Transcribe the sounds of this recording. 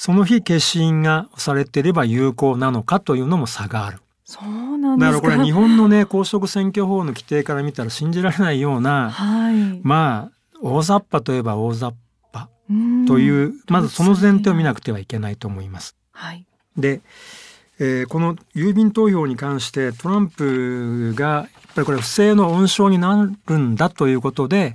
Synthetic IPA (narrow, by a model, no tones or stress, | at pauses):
so̞no̞çike̞ɕĩŋɡaosaɾe̞t̪e̞iɾe̞bajɯːko̞ːnano̞kat̪o̞jɯ̟ːno̞mo̞saɡaːɾɯ̟ | sond̪akaɾako̞ɾeɲiɦõ̞nːo̞ne̞ko̞ːɕo̞kɯ̟sẽ̞ŋkʲo̞ɦo̞ːno̞kʲi̥t̪e̞ːkaɾamʲit̪aɾaɕĩɲ̟d͡ʑiɾaɾe̞naijo̞ːnaamaː | o̞ːzapːat̪o̞je̞bao̞ːzapppːa | t̪o̞jɯ̟ːmazɨso̞no̞zẽ̞nt̪eomʲinakɯ̟̥t̪e̞β̞aike̞nait̪o̞ːmo̞imasɨ̥ | h | d̪e̞ | eːko̞no̞jɯ̟ːbʲĩnt̪o̞ːço̞ːɲ̟ikãɰ̃ɕi̥t̪e̞t̪o̞ɾãmpɯ̟ɡajapːaɾʲiko̞ɾe̞ɸɯ̟̥se̞ːno̞õɰ̃ɕo̞ːɲ̟inaɾɯ̟̃nd̪at̪o̞jɯ̟ːko̞t̪o̞d̪e̞